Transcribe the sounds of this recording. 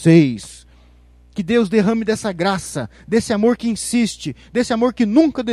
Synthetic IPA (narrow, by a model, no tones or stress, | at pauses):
ejs | kɪd̪ewzd̪eɦɐ̃mɪd̪ɛsɐɡɾasɐ | d̪esɪamoɾkɪĩsist͡ʃɪd̪esɪamoɾkɪnũŋkɐd̪e